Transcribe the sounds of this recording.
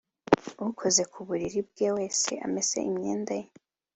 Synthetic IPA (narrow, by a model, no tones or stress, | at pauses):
uhukʰo̞ze̞kʰuβuɾiɾibɡe̞ːwe̞ːse̞̰ʔa̰me̞z̥e̞̰ʔimɲḛːndaje